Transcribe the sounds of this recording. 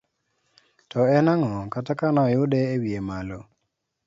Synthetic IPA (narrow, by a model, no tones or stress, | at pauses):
tɔɛnaŋɔkatakanaɔjʊdɛewiemalo